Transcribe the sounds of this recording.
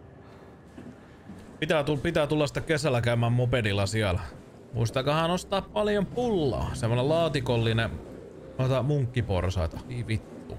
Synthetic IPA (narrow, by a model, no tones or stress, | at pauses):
pit̪æːt̪upit̪æːt̪ulːɑsit̪ːækesælːˑækæymæːmmopedilːɑsiælæ | mṵist̪ɑkɑhɑnost̪ɑːppɑljompulːɑ̰ːsemːonelɑːt̪ikolːine | t̪ot̪ɑmuŋkːipo̰rsɑ̰it̪ɑiːʋit̪ːṵ